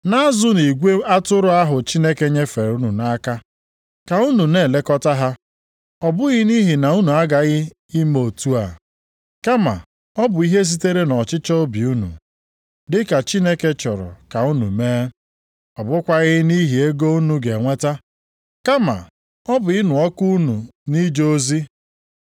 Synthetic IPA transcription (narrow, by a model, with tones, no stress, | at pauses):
na˦zʊ˦ni˨ɡʷe˦a˦tʊ˦ɾʊ˦a˦ɦʊ˨t͡ʃi˦ne˦ke˦ɲe˦fe˨ɾu˦nu˨na˦ka˦ | ka˨u˦nu˨ne˨le˦kɔ˦ta˦ɦa˦ | ɔ˨bʊ˦ɣɪ˦ni˦ɦi˨na˨u˦nu˨a˦ɡa˨ɣɪ˦ | i˦mo˨tu˦a˨ | ka˦ma̰˨ | ɔ˦bʊ˨i˦ɦe˦s̬i˦te˦ɾe˦nɔ˨t͡ʃɪ˦t͡ʃɔ˦o˦bi˨u˦nṵ˨ | dɪ˦ka˨t͡ʃi˦ne˦ke˦t͡ʃɔ˨ɾɔ̰˨ka˨u˦nṵ˨meː˦ | ɔ˨bʊ˦kʷa˦ɣɪ˦ni˦ɦi˨e˦ɡo˦u˦nu˦ɡe˨ŋʷe˦ta˦ | ka˦ma̰˨ | ɔ˦bʊ˨ɪ˦nʊ˨ɔ˦ku˦nu˨ni˦d͡ʒo˦o˦zi˦